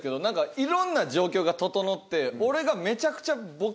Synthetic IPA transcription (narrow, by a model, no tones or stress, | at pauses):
ke̞d̪onãŋkaiɾõ̞nːad͡ʑo̞ːkʲo̞ːɡat̪o̞t̪o̞no̞t̪ːe̞o̞ɾe̞ɡame̞t͡ɕakɯ̟̥t͡ɕabo̞